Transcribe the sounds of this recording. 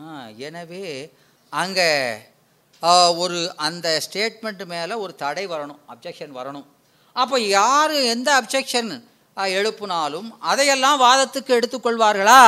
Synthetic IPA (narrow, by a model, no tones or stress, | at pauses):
aːɛnɐʋeː | ɐŋɡɐ | ɔɾɯʔɐnd̪ɐsʈeːʈmɛɳʈmeːlɐɔɾɯt̪ɐɽɐɪʋɐɾɐɳɯ̃mɐb̚d͡ʒɛkʂɐnʋɐɾɐɳɯ̃m | ɐpːoːjaːɾɯɛnd̪ɐɐbd͡ʒɛkʂɐn | ɛɻɯpːɯnaːlɯmɐðɐjɛlːãːʋaːðɐt̪ːɯkːɯɛɽɯt̪ːɯkːɔɭʋaːɾɣɐɭaː